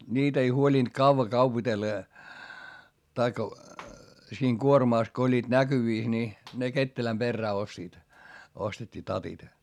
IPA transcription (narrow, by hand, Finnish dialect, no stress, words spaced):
niːt ei huolʲint kɑuʋɑ kɑupitelːɑ jɑ tɑikːɑ siːŋ kuormɑˑs ko olʲːiːd̥ nækyʋiˑs ni ne ketːelæm perːæː ostiːt ostetʲːiː tɑtit